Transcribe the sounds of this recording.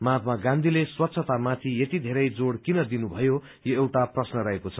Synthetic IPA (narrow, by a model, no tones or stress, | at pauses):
mat̪̚maɡãnd̪ʱileswʌt̪ːsʰʌt̪amat̪ʰijet̪id̪ʱeɾʌjd͡zoɽkinʌd̪inubʱʌjo | joewʈaprʌsnʌɾʌɦekot͡sʰʌ̥